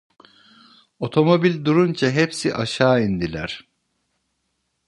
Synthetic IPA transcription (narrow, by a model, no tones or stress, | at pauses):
o̞t̪ʰo̞mo̞bilʲd̪uɾunt͡ʃʰaɦepsiʔaʃaːind̪ilʲæ̰ɾ̥